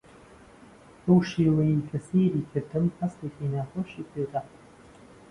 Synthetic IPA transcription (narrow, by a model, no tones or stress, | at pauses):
bowʃeːwɐjikʰɐseːɾiːkʰɐt̪ʰɨmhɐst̪eːkiːnaːxoːʃiːpʰed̪a